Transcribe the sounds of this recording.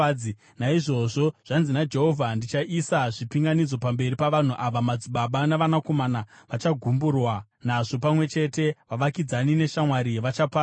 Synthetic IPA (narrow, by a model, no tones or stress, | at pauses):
i | naiʐo̞ʐo̞ʐ̥anzinad͡ʒe̞ɦo̞vʱandit͡ʃaʔisaʐipiŋɡanid͡zo̞pambe̞ripaʋan̤uʔaʋamad͡ziɓaɓanaʋanako̞manaʋat͡ʃaɡʱumburwanaʐo̞pamwe̞t͡ʃe̞te̞ʋaʋakid͡zanine̞ʃamwaɾiʋat͡ʃapa